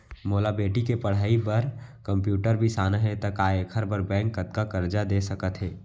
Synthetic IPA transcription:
moːlabeːʈikepɐɽ̤aːibɐɾkə̃mpjuːʈəɾbʱisaːnaɦɛ̃t̪ɐkaːekʰəɾbəɾbɛ̃ːŋkːət̪̚kakɐɾd͡ʒad̪eːsɐkət̪ɦɛː

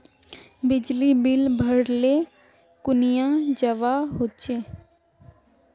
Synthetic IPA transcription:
bɪd͡ʒlibɪlbʱəɽle | kʊnijãd͡ʒəʋaɦot͡ʃeː

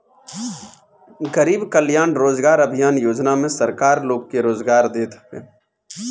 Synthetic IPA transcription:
ɡəɾiːbkəljaːnɾoːzɡaːɾəbʱijaːnjoːd͡ʒnamẽsəɾkaːɾloːɡ̚keɾoːzɡaːɾd̪eːt̪ḛː

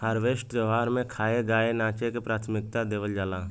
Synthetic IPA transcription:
həɾʋeːsʈɾoʋaːɾmẽkʰaːeɡaːenaːt͡ʃekepɾaːt̪ʰmɪk̚t̪ad̪eːʋəld͡ʒaːlaː

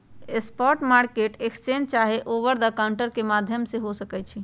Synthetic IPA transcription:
espɔɾʈmaɾkeʈekst͡ʃend͡ʒt͡ʃaɦeʔoʋəɾd̪əkaʊɳʈəɾkemad̪ʱjəmseɦosəkɛt͡ʃʰi

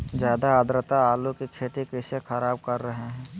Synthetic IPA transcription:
d͡ʒjaːd̪aaːd̪ɾət̪aaːlukikʰeːʈikesexʰɐɾaːb̚kɐɾːəɦeɦɛ̃ː

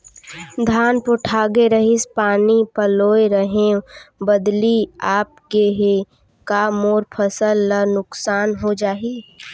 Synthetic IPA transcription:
d̪ʱaːnpoʈʰaːɡeɾəɦɪspaːnipəloːeɾəɦẽbəd̪liaːp̚keɦe | kamoːɾpʰəsəlːənʊksaːnɦod͡ʒaːɦi

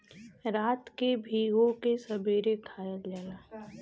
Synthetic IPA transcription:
ɾaːt̪kebʱiːɡõkesɐbiːɾekʰaːjəd͡ʒalaː

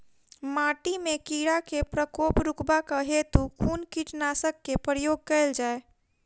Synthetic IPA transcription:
maʈimekiɽakepɾəkoːpɾukbakaɦet̪ukʰuːnkiʈnasəkːepɾəjoːɡ̚kɛɪld͡ʒaːe

